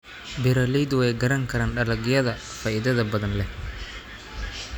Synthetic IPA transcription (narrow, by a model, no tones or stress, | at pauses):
bɛɾɐlid̪wɛjɡɐɾɐŋkʰɐɾaːnɖɐlɐɡjɐðɐ | faːʔɪðɐðɐbɐðɐnlɛh